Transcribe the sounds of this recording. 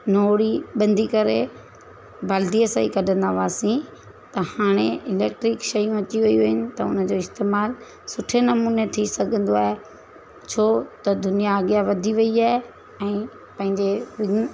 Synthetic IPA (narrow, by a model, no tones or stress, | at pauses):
noːɽiɓɐ̃nd̪ʱikɐɾe | bʱaːld̪iəsaikɐɗʱə̃nd̪aʋaːsĩ | t̪ɐhaːɽ̃eʔɪleːkʈɾɪkʃɐjũɐt͡ɕiʋɐiuuɦɪnɪ̆t̪ɐʊ̰nə̆d͡ʑoːɪst̪eːmaːl | sʊʈʰenɐmuːnet̪ʰisɐɡʱə̃nd̪oaːɦe | t͡ɕʰoːt̪ɐd̪ʊnijaːɡjaʋɐd̪ʱiʋɐiaːɦe | ɛ̃ː | pɐ̃ɦɪ̃ɲd͡ʑeʋɪ